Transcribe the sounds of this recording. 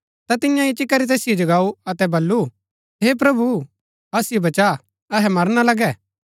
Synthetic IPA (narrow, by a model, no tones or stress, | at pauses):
t̪at̪ɪjãit͡ʃɪkːɐɾit̪̬eːsɪjod͡ʒɐɡaːuɐt̪ɛbɐlːu | ɦep̬ɾɐbu | ɐsɪjobɐt͡ʃa | ɐɦɛmɐɾnalɐɡɛː